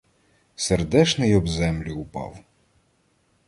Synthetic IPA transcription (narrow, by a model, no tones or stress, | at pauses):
serd̪ɛt͡ʃnɪjɔbzɛmlʲʊʊpɑ̰w